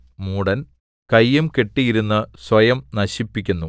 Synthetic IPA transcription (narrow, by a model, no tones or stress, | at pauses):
muːɽɐn | kɐjːumke̞ʈːijiɾunːɨsʋɐjɐmnɐɕipːikʲːunːu